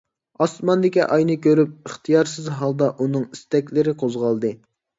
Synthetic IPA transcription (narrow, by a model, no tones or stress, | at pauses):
ɑsmɑnd̪ɪkʲiʔɑjnɨkʲʰøɾyp̚əχt̪ʰijɑɾsɪzɦɑlˠd̪ɑʔunɨŋist̪ɛkʲlɪɾɪqʰozʁɑlˠd̪ɨ